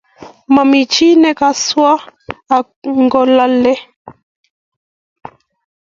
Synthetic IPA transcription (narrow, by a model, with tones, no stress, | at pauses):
ma˨mi˨t͡ʃi˦nɛ˦ka˦swaː˦˨ | ŋɡɔ˦la˦lɛ˦